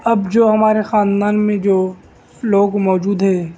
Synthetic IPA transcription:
ɐbd͡ʒoːɦɐmaːɾexaːnd̪aːnmẽd͡ʒoː | loːɡmɔːd͡ʒuːd̪ɦɛː

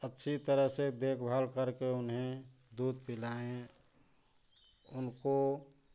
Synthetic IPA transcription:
ətːʃʰit̪əɾəɦsed̪eːkʰbʱalkəɾkeʊnɦẽ | d̪uːd̪̚pɪlaẽ | ʊnko

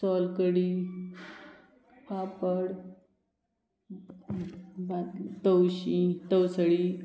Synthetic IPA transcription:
sɔlkəɽi | papəɽ | bat̪t̪əwɕĩt̪əwsəɽi

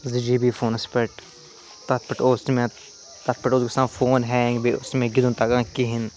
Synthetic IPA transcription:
zɪd͡ʒibiːfoːnɐspəʈ | t̪ɐt̪̚ʰpɐʈoːsmẽ | t̪ɐt̪̚ʰpɐʈoːzɡɐsãːfoːnɦɛ̃ːŋɡbiʊsmẽːɡɪd̪ũnt̪aɡãːkiɦɪn

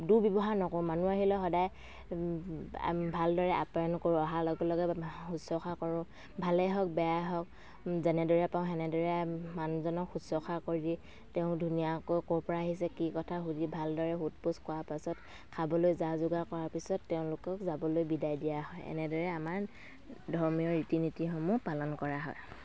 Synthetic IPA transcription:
duɹbibɔɦanɔkɔ̃manuaɦilɔxɔdaj | bʱaldɔɹɛʔa̰pajɔnkoɹʊ̃ɔɦalɔɡɔlɔɡɛhusɔxakɔɹʊ̃ | bʱalɛɦɔk̚bɛjaɦɔk̚ | zɛnɛdɔɹɛpaʊ̃ɛnɛdɔɹɛmanzɔnɔkxusɔxakoɹidi | teʊ̃dʱunijakojkɔɹpɔɹaaɦis̬ɛkikɔtʰaɦudibʱaldɔɹɛɦutpuskɔwapasɔt | kʰabɔlojzazʊɡakɔɹaɹpisɔtːeʊ̃lʊkɔkzabɔlojbidajdijaɦɔjɛ̰nɛdɔɹɛamaɹ | dʱɔɹmiɔɹitinitixomupalɔnkɔɹaɦɔj

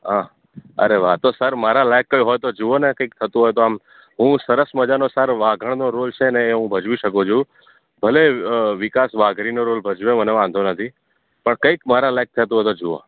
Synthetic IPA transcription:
ɦa | ə̰ɾeʋat̪osəɾmaɾalajkːəjɦojt̪od͡ʒuonekəik̚t̪ʰət̪ũɦojt̪oam | ɦũsəɾəsməd͡ʒanosəɾʋaɡʱəɳ̃noɾolt͡ʃʰeneːɦũbʱəd͡ʒʋiʃəkũd͡ʒu | bʱəleʋɪkasʋaɡʱɾinoɾolbʱəd͡ʒʋeməneʋãnd̪ʱonət̪ʰi | pəɳkəikmaɾalajk̚t̪ʰət̪̬ũɦɔjt̪od͡ʒuo̰

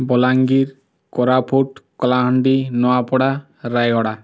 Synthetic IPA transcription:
bɔlaŋɡiɾ | kɔɾapʰoʈkɔlaɦɔɳɖinɔapɔɽa | ɾajɔɽa

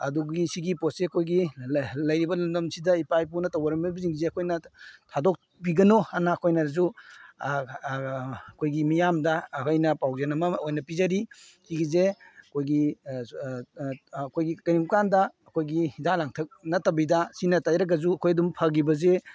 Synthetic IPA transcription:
ɐ̰duɡisiɡiposseɐkʰojɡilɐjɾibɐlɐmdɐmsidɐipajp̬unɐtɐwɐɾɐmɐbziŋzeɐkʰojnɐtʰadok̚ | piɡɐnoanaːkʰojnɐzu | kʰojɡimijamdɐkʰojnɐpawzenɐmɐojnɐpizɐɾihiɡizeɐkʰojɡi | kʰojɡikɐniŋkandɐːkʰojɡihidalaŋtʰɐk̚nɐtɐbidɐsinɐtajɾɐɡɐzuɐkʰojɐdumpʰɐɡibɐze

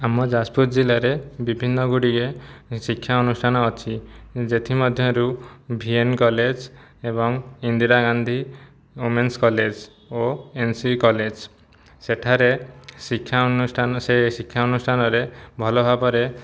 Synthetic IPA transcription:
amɔd͡ʒaspuɾd͡ʒilaɾebibʱinːɔɡuɽiɡesikʰːjaɔnusʈʰanɔːt͡ʃʰid͡ʒet̪ʰimɔd̪ʱjɔɾubʱienkɔled͡ʒ | eβɔŋind̪iɾaɡand̪ʱi | umenskɔled͡ʒ | oensikɔled͡ʒ | seʈʰaɾesikʰːjausʈansesikʰːjaɔnusʈʰanɔɾebʱɔlɔbʱabɔɾe

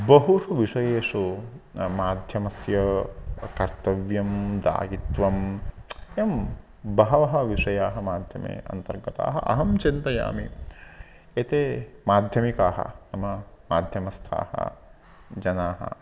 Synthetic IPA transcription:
bɐɦuʂɐʋiʂɐjeːʂu | maːd̪ʱjɐmɐsjɐkɐɾt̪ɐʋjɐmd̪a̰ːɡit̪ʋɐm | ɐm | bɐɦɐʋɐɦɐʋiʂɐjaːɦɐmaːd̪ʱjɐmḛːɐ̰nt̪ɐɾɡɐt̪a̰ːɦɐ̰ʔɐ̰ɦɐmt͡ʃint̪ɐja̰ːmi | et̪eːmaːd̪ʱjɐmikaːɦɐ̰nɐmɐmaːd̪ʱjɐmɐst̪ʰa̰ːhɐ̰ | d͡ʒɐnaːɦɐ̰

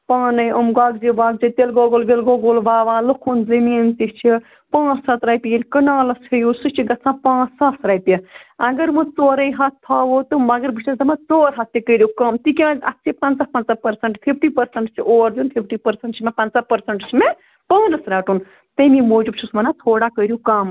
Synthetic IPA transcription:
paːnɐjʔɐmɡaːɡziʋaːɡ̚zit̪elɡoːɡoːlʋelɡoːɡoːlʋaːʋãːlukʰunzɐmiːnt̪it͡ʃʰi | pãːt͡ssɐt̪ɾɐjp̪ilʲkɐnaːlɐshʰejusɨt͡ʃʰiɡɐt͡sʰãːpãːt͡ssasɾɐːt̪iɐɡɐɾmɨt͡soːɾɐ̃jɦɐt̪̚ʰːaːʋot̪ɨmɐɡɐɾbiʃesd̪ɐmɐt͡soːɾɦɐt̪̚ːikəɾʲjukɐmt̪ikʲãːɐt̪t͡sʰipɐnt͡sapɐnt͡sapɐɾsɐɳʈpʰipʰʈiːpɐɾsɐɳʈt͡ʃʰiʔoːɾd̪unpʰipʰʈiːpɐɾsɐɳʈt͡ʃʰimẽpɐnt͡sapɐɾsɐɳʈt͡ʃʰime | pɐːnɐsɾaːʈun | t̪ɐmimoːd͡ʒub̚t͡ʃʰusmɐnat̪ʰoːɽakəɾjukam

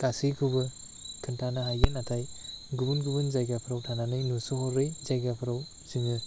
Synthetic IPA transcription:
kasɯjkʰubɯ | kʰɯntʰanaɦajɡɯnatʰajɡubunɡubɯnzajɡapʰɯɾawtʰananɯjnusɯɦɔɾɾejzajɡapʰɯɾaw | ziŋɯ

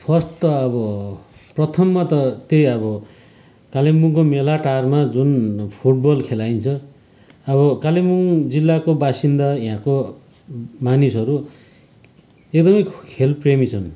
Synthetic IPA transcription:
pʰʌsʈt̪ʌʌbʌprʌt̪ʰʌmːat̪ʌt̪ejʌbʌ | kalemuŋkomelaʈarmad͡zunpʰuʈ̚bʌlkʰelajnt͡sʰʌ | ʌβʌkalemuŋd͡zilːakobasind̪aiɦãko | manisʌɾu | ekd̪ʌmʌjkʰelpremit͡sʰʌn

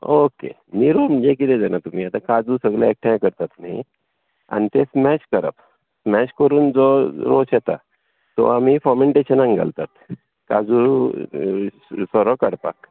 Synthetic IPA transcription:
okḛ | niɾoməd͡ʑek̬it̪ed͡zanat̪um̤iːat̪akad͡zusəɡlja̰ek̚ʈʰãjkəɾt̪at̪umi | a̰nit̪esmɛt͡ɕkəɾə̰p | smɛɕkəɾuːnd͡zɔɾo̰set̪a̰ | t̪ɔ̰amifɔmeɳʈeɕənãŋɡa̰lt̪at̪ | kad͡zu | sɔɾɔkaɽpa̰k

